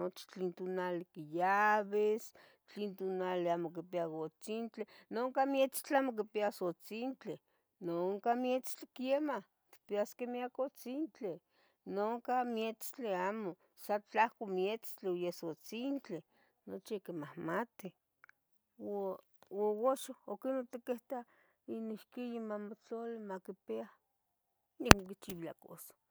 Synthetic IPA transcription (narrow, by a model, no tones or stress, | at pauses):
not͡ʃi̥t͡ɬint̪onalikijaβes | t͡ɬint̪onaleamok̬ipiakot͡sint͡ɬenoŋkamjet͡st͡ɬamok̬ipiasot͡sint͡ɬe | noŋkamjet͡st͡ɬekjemah | t̪i̥piaskemiakot͡sint͡ɬe | noŋkamjet͡st͡ɬeaːmo | sat͡ɬahkomjet͡st͡ɬeojesot͡sint͡ɬe | not͡ʃikemahmat̪i | w | owoʃookinot̪ikeht̪a | inihkijimamot͡ɬolemakipea | nikmokit͡ʃiwila̰koso̥